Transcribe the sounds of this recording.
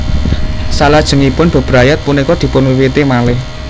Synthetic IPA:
salad̥ʒ̥ə̤ŋipʊnb̥ə̤b̥ɾajat̪̚punikɔd̪̥i̤pʊnwiwit̪emalɪh

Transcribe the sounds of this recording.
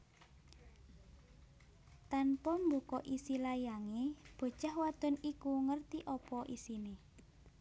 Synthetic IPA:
t̪anpɔmbukɔʔisilajaŋeb̥ɔ̤̥t͡ʃahwad̪̥ɔ̤nikuŋərt̪iʔɔpɔʔisine

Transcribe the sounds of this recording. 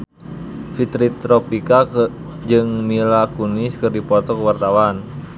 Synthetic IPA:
fit̪ɾit̪ɾɔpika | d͡ʒɨŋmilakuniskɨrdipɔt̪ɔkəwart̪awan

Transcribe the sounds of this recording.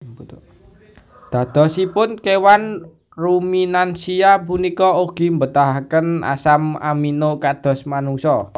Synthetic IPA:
d̪̥ä̤d̪̥ɔ̤sipʊnkewan | ruminansiap̬unikɔoɡ̥i̤mbət̪aɦakəna̰sama̰minokad̪̥ɔ̤smanuŋsɔ

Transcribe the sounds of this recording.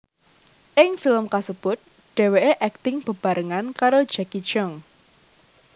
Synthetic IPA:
ʔɪŋfɪləmkasəb̥ʊt̪̚ | ɖ̥e̤weʔeʔɛk̚t̪ɪŋb̥ə̤b̥a̤ɾʔəŋankaɾod̥d͡ʒ̥akit͡ʃɔŋ

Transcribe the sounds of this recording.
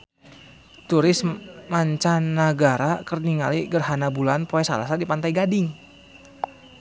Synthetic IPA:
t̪uɾɪsmmaɲt͡ʃanːaɡaɾakərniŋaliɡərɦanabulanpoɛsa̰la̰sadipant̪ajɡadɪŋ

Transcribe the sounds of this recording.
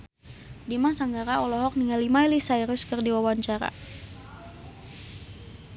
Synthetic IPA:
dimansaŋɡaɾaɔlɔɦɔk̚niŋalːimailisaiɾʊskərdiwawaɲt͡ʃaɾa̰

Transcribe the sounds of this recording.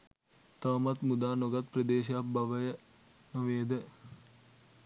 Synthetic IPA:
t̪aʋɐmat̪mud̪aːnoɡat̪prəd̪eːʃ̬ɐjabɐʋəjə | noʋeːd̪ə

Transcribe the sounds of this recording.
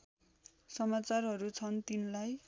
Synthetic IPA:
sʌmat͡sarɦʌɾut͡sʰʌnt̪inlaj

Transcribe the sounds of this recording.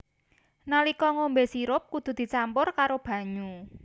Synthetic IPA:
nalikɔŋombesiɾʊp̚kud̪̥ṳd̪̥i̤t͡ʃampʊrkaɾob̥a̤ɲu

